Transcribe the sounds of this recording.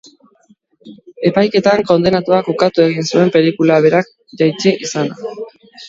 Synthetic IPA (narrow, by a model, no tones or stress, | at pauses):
e̞pajke̞t̪aŋko̞nd̪e̞nat̪uakokat̪ue̞ɣinsue̞mpe̞ɾikulaβ̞e̞ɾak̚ | ʝajt͡ʃiʔisana